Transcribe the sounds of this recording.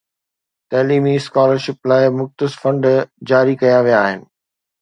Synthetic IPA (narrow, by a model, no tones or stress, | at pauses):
t̪ɛɦlimiskaːləɾʃɪplaːɪmʊxt̪ɪsfɐ̃ɳɖd͡ʑaːɾikɐjaʋijaːɦɪnɪ̆